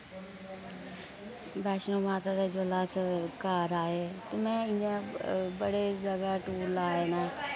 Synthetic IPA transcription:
bɛːʃnomaːt̪ad̪ed͡ʒolaːskaːɾaːɦet̪ɐmɛ̃ɪ̃ãbɐɽezɐɡaʈuːɾlaːenã

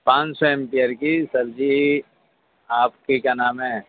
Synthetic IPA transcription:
pãːt͡ʃsɔɛmpieɾkisɐɾd͡ʒi | aːpkekanaːmɦɛ̃

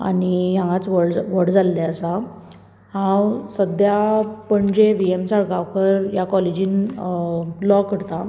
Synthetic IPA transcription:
a̰nijãŋɡat͡sʋəɽd͡zʋəɽd͡zalːaəsa | ɦãwsəd̪ʱjapəɳd͡ʑeʋiemsaɽɡaʋkəɾjakɔled͡ʑĩːn | lɔkəɽt̪a

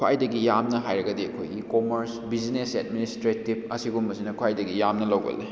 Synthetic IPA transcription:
kʰa̰jdɐɡijamnɐɦajɾɐɡɐdiɐkʰojɡikomɐɾsbid͡ʒnesed̚ministɾetib̚ɐsiɡumbɐsinɐkʰwajdɐɡijamnɐlɐwɡɐ̰lːḭ

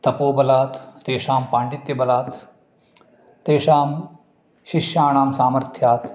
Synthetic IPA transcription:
t̪ɐpoːbɐlaːt̪t̪eːʃaːmpaːɳɖit̪jɐbɐlaːt̪ | t̪eːʃaːm | ʃiʃjaːɳaːmsaːməɾt̪ʰjaːt̪

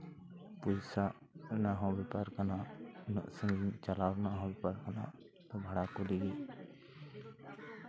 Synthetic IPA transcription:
pusaʔ | naɦɔ̃bɛpaɾkananɔ̰ʔsəŋɡint͡ʃalabnaɦɔ̃bɛpaɾkana̰ | t̪ɔ̃bʱaɽakuliɡi

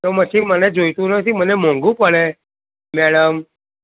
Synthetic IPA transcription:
t̪oməsimənɛd͡ʒojt̪unəsimənemõŋɡuːpəɭe | mɛɽəm

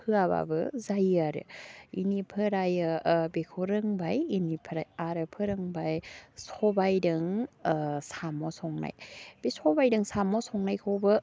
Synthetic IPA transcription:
pʰɯaβa̰bɯzajaɾɯ̰inipʰɯɾajbekʰoɾɯŋbajinipʰɯɾajaɾɯpʰɯɾɯŋbajsɔbajdɯŋ | samɔsʰɔŋna̰jb̥isɔbajdɯŋsamɔsʰɔŋnajkʰɔbɯ

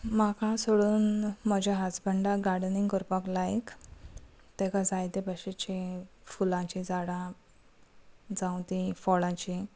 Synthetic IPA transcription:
makãsoɭuːnməd͡ʑaɦat͡sbəɳɖaɡaɽniŋɡkɔɾpaklajk | t̪ɛkad͡zajt̪ebəɕet͡ɕifulãt͡ɕĩd͡zaɽã | d͡zãwt̪ĩfɔɭãt͡ɕĩ

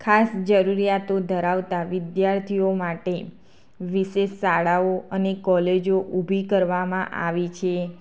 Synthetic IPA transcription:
kʰasd͡ʒəɾuɾijat̪od̪ʱəɾaʋt̪aʋɪd̪jaɾt̪ʰiomaʈe | ʋiʃeʃsaɽaoənekɔled͡ʒoʔubʱikəɾʋamã̰ʔa̰ʋit͡ʃʰe

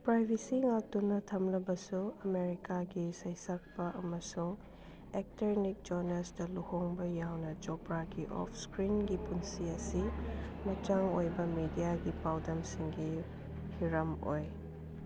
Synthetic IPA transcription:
pɾajbʱisiŋaltunːɐtʰɐmlɐbɐsuɐmeɾikaɡisɐjsɐk̚pɐʔɐmɐsuŋ | ek̚teɾnik̚d͡ʒonɐsdɐluhoŋbɐjawnɐd͡ʒopɾaɡiʔɔ̰pʰskɾinɡipunsiɐsimɐt͡ʃaŋojbɐmidijaɡipawdɐmsiŋɡi | hiɾɐmo̰j

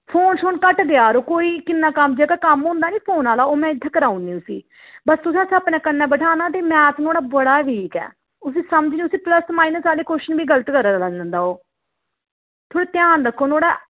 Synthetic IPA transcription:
pʰoːnʃoːnkəʈɡ̪ɪaːɾoːkoːiːkɪnːãːkəmːd͡ʒeːkaːkəmɦʊ̃ːnd̪aːniːpʰoːnaːlaːoːmɛ̃ːɪd̪ʱːaːkəɾaːunːiːʊsḭː | bəst̪ʊs̬ẽːəsəpnɛ̃ːkənːɛ̃ːbəʈʰaːnaːt̪̬eːmɛ̃ːt̪noːɽaːbəɽaːʋiːkɛ̰ː | ʊs̬ĩːsəmd͡ʒniːʊsĩːpləsmaːinəsaːliːkoːʃənbiːɡələt̪kəɾːɾlanlə̃nd̪aːoː | t̪ʰoːɽaːt̪jaːnd̪əkʰːoːnoːɽa̰ː

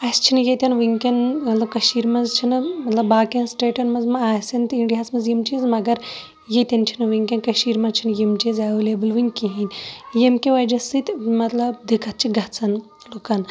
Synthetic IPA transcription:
ɐst͡ʃʰinɨjet̪ʲɐnʋɨŋkʲɐnmɐt̪lɐb̚kɐʃiːɾmɐzt͡ʃʰinɨmɐt̪lɐbaːkensʈeːʈɐnmɐzmɐaːsɐnt̪iɳɖijaːsmɐzjimt͡ʃizmɐɡɐɾ | jet̪ʲɐnt͡ʃʰinɨʋiŋkʲɐnkɐʃiːɾmɐzt͡ʃʰinjimt͡ʃizaːʋulebɨlʋɨŋʲkʲiɦinʲjemkʲeʋɐjd͡ʒɐsɨt̪ʲmɐt̪lɐb̚d̪ikʰɐt̪̚t͡ʃʰiɡɐt͡sʰɐn | lokɐn

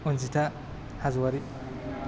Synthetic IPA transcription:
und͡ʒita | hazwaɾi

